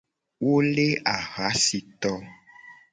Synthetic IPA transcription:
wo˦le˦a˨ɣa˨˦si˨t̪ɔ˦

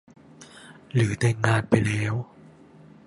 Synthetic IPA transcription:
lɯː˩˦t̪ɛ˧˩ŋŋaː˧npa˧jlɛː˦˥w

